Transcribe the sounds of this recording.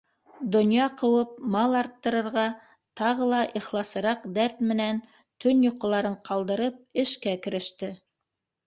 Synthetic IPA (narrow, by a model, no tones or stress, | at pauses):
d̪ŏnjɑqɤ̆wɤp̚mɑlˠɑɾt̪ːɤ̆ɾɤ̆ɾʁɑ | t̪ɑʁɤlˠɑʔiχlˠɑsɤ̆ɾɑqd̪æɾt̪mɘ̆næn | t̪ɵnjŏqɤ̆lˠɑɾɤɴqʰɑlˠd̪ɤ̆ɾɤp̚ɘ̆ʃkækɘ̆ɾɘ̆ʃt̪ɘ